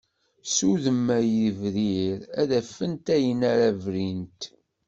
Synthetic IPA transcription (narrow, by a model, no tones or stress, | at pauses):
suðəmːæjəvɾiɾæðæfːənt̪æjənæɾævɾint̪